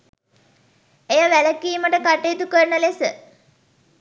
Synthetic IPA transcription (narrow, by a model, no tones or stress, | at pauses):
ejəʋæləkiːməʈəkaʈeːt̪ukəɾnəlesə